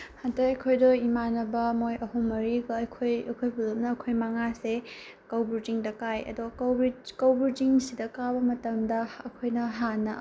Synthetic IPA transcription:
hantaɐjkʰojdoimanɐbɐmojɐɦumːɐɾiɡɐɐjkʰojɐkʰojbʰulum̚nɐːkʰojmɐŋase | kɐwbuɾtiŋdɐkajɐ̰dowbikɐwbuɾtiŋsidɐkabɐmɐtɐmdɐɐkʰojnɐɦanɐ

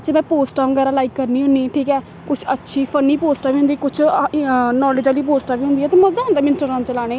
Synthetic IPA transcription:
d͡ʒeːmɛ̃ːpoːsʈãːɡɛːɾãːlaːikːəɾniːɦʊniːʈʰiːkɛː | kʊt͡ʃʰətːʃʰiːpʰəniːpoːsʈaːbiːɦʊ̃nd̪iːkʊt͡ʃʰ | nɔːlɪːd͡ʒaːliːpoːsʈaːbiːɦʊ̃nd̪iːɛːt̪eːməzaːɦʊnd̪aːmɪnsʈəɾãːt͡ʃəlaːɽ̃eː

